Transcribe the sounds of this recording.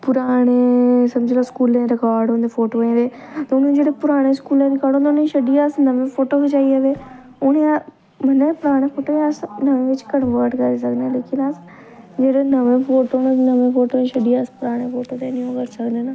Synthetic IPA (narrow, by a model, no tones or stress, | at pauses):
pʊɾaːɽ̃eːsəmd͡ʒiːlaːskuːlẽːɾɪkaːɾɖõnd̪eːpʰoːʈoːɦẽːd̪eːt̪ʊnẽd͡ʒeːɽepʊɾaːɽ̃eːskuːlẽːɾɪkaːɾõːnd̪eneʃəɖiasnəʋẽːpʰoːʈoːked͡ʒaːiəʋeː | ʊnẽã | mənːpʊɾaːɽ̃ẽːpʰoːʈoːeəsnəʋẽːʋɪt͡ʃkənʋəːɾʈkəɾeːs̬əkd̪ẽleːkʰɪnas | d͡ʒeːɽeːnəʋẽːpʰoːʈoːnanəʋẽːpʰoːʈoːʃəɖiaspʊɾaːɽ̃eːfʰoːʈoːt̪eːnĩõːkəɾsəkd̪ẽːna